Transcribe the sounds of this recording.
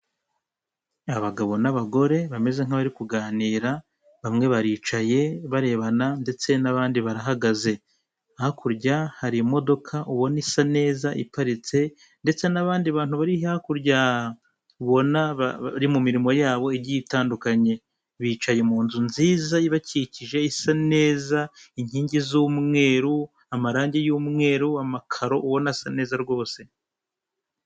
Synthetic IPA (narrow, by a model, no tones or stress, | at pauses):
aβaɡaβo̞naβaɡo̞ɾe̞βame̞ze̞ŋ̥haβaɾikuɡaːniːɾa | βamŋe̞βaɾiːt͡ʃaje̞βaɾe̞ːβanande̞t͡se̞naβaːndiβaɾaɦaɡaze̞ | ahakuɾɟahaɾimo̞do̞kʰaʔuβo̞nisane̞ːzaʔḭpaɾit͡se̞ | nde̞t͡se̞naβaːndiβaːn̥huβaɾihiahakuɾɟa | uβo̞naβaɾimumiɾimo̞jaːβo̞iɟitaːndukaɲe̞ | βiːt͡ʃajemuːnzunziːzaiβaciciʒe̞isane̞ːzaiɲ̥hiːɲɟizumŋe̞ːɾu | amaɾaːɲɟejuːmŋe̞ːɾuamakʰaɾo̞ʔuβo̞nasane̞ːzaɾɡo̞ːse̞